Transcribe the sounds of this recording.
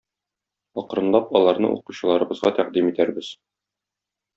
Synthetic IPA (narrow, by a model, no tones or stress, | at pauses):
ɒqɾɤ̆nlˠɑpɒlˠɑɾnɤ̰ʔṵquɕɤ̆lˠɑɾɤ̆bɤ̆zʁɑt̪æqd̪imit̪æɾbɘz̥